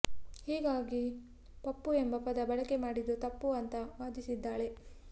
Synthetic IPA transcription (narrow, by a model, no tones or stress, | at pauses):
hiːɡaːɡi | pɐpːuembɐpɐd̪ɐbɐɭɐke̞maːɽid̪ːut̪ɐpːuɐnt̪ɐʋaːd̪isid̪ːaːɭe̞